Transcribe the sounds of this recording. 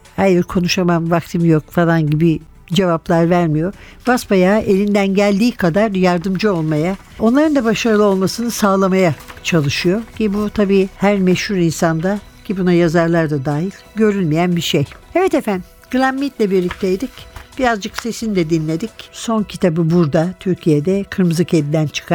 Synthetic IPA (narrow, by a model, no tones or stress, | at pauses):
hajiɾkʰo̞nuʃamamvak̚t̪ʰɯmjokfalˠanɟibi | d͡ʒe̞vaplˠaɾvæɾmijo̞ | baspajaːʔe̞lʲind̪ænɟælʲd̪iːkʰad̪aɾjaɾd̪ɯmd͡ʒɯo̞lˠmaja | o̞nlˠaɾɯnd̪abaʃaɾɯlˠɯo̞lˠmasɯnɯsaːlˠamajat͡ʃʰalˠɯʃɯjo̞cʰibut̪ʰabiːhæɾmɛʃhuɾinsand̪a | cʰibunajazaɾlˠaɾd̪ad̪aːɦilʲɟø̞ɾylʲmijænbiʃejevɛt̪efæn | ɡ̥ɯlʲˠamːit̪lʲɛbiɾlʲic̚t̪ʰejd̪icb̥iɾazd͡ʒɯkse̞sinid̪ɛd̪inlʲe̞d̪icso̞ncʰit̪ʰabɯbuɾd̪at̪ʰyɾcʰijed̪ɛkʰɯɾmɯzˠɯked̪id̪ænt͡ʃʰɯ̥kʰa